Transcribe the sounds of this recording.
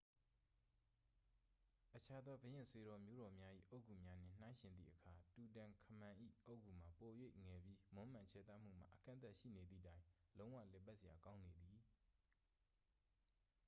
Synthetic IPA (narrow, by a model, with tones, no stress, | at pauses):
ʔət͡ɕʰa˦d̪ɔ˦bə˨jɪ̃˦˨swe˨ɾɔ˨mjo˦ɾɔ˨mja˦ʔḭ˦˨ʔo˦˨kʰu˨mja˦n̥ɪ̰̃˦˨n̥ã˦ɪ̃ʃɪ̃˨nd̪ðḭ˦˨ʔəkʰa˨tu˨t̬ã˨kʰəmã˨ʔḭ˦˨ʔo˦ʊʔkʰu˨m̥a˨po˨jwe˦ɪʔŋɛ˨bji˦mʊ̃˦m̥ã˨t͡ɕʰɛ˦˨t̪a˦˨m̥ṵ˦˨m̥a̰˦˨ʔəkã̰˦nt̪a˦ʔʃḭ˦˨ne˨d̪ðḭ˦˨tã˦ɪ̃lõ˦ʊ̃wä̰˦˨lɛ˨pa˦ʔsɪ˨ja˨kã˦ʊ̃ne˨d̪i˨